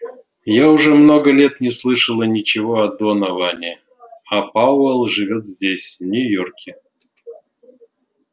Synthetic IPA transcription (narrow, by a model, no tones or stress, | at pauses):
jaʊʐɛmno̞ɡəlʲet̪nʲɪslˠɨʂəlˠənʲɪt͡ɕɪvoɐd̪onɐvanʲɪ | ɐpaʊɛlˠʐɨvʲo̞t̪zʲdʲesʲvnʲʊjorkʲɪ